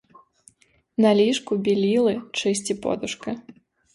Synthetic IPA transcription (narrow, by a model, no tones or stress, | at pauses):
nɐlʲiʂkubʲilʲilˠɨt͡ʂɨsʲt͡sʲipɔ̰d̪uʂkɐ